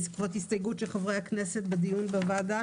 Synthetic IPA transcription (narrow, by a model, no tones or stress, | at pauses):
zkvot̪histojɡutʃelχavʁejhakneset̪̚bed̪ijunbevad̪a